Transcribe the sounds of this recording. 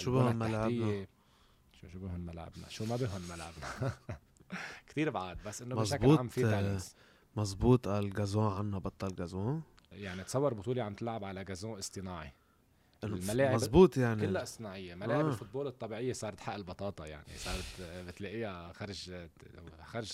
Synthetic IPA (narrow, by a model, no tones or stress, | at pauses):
ʃubɪhʊmmalʕajːnae | ʃuʃubɪhʊnmalʕa̰bna̰ʃumabɪɦʊnmalʕa̰bna | kt̪iːɾbʕaːd̪basːʔɪnːomʃakbluːaːmfii | mɑzˤbuːt̪ˤʔalɡazõːʕanːabɑt̪ˤːɑlɡazõː | jaʕnit̪sɑwːɑɾˤbʊt̪ˤuːliʕamt̪ɪlʕabʕalaɡazõːʔɪst̪ˤɨnaːʕi | ʔnlmalaːʕɪɑzˤbuːt̪ˤjaʕnkiɪlːaʔɪsˤt̪ɨnaːʕɪjːelmalaːʕʕɪblfʊt̪̚boːlɨt̪ˤːɑbiːʕɪjːesˤɑːɾˤɑt̪ħaʔɪlbɑt̪ˤɑːt̪ˤɑja̰ʕnḭsˤɑːɾˤt̪bɪt̪leːʔɪjaxaɾˤɪʒ | xaɾʒ